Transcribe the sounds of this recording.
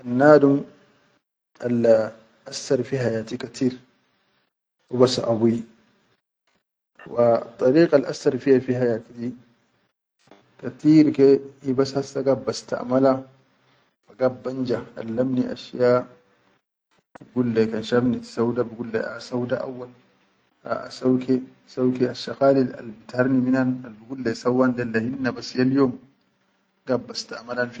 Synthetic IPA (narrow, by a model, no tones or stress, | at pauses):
ʔanːaːd̪ʊm | al | ʔasːɐɾfiːhajaːt̪ikɐt̪ʰiːɾ | ʔʊbasa̰ʔabui | wat̪ˤːɑɾiːqʼalʔa̰sːɐɾfijafiːhajaːt̪idi | kat̪iːɾkeibashasːaɡabɐst̪a̰ʔmala | fɐɡɐbːand͡ʒaa̰lːɐmniʔa̰ʃjaː | ɡulːɛkɐnʃabnitsawd̪abuɡulːɛ̰a̰sawd̪aʔa̰wːal | a̰a̰sawkʰɛ | sawkɛaʃaqaːlila̰lbit̪aɾniminanalbuɡulːɛsawːand̪ɛlːahinːabɐsjaljoːm | ɡ̥ɐbːɐst̪amalanf